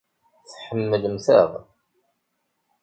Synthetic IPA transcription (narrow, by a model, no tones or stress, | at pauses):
θħəmːəlmθəðˤ